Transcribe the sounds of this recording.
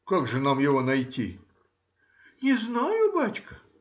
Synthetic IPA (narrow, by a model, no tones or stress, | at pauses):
kaɡʐɨnamjɪvonɐjtʲḭ | nʲɪznajʊbat͡ɕʲkə